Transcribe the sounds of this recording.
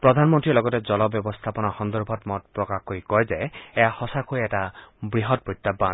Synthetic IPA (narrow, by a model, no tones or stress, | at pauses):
pɾɔd̪ʱanmɔnt̪ɹilɔɡɔted͡ʒɔlɔbjɔbɔst̪ʰapɔnɔxɔnd̪ɔɾbʱɔtmɔt̚pɾɔkakoɹikɔjzeejahɔsakʰojɛtabɹiɦɔt̚bɹit̪ːaban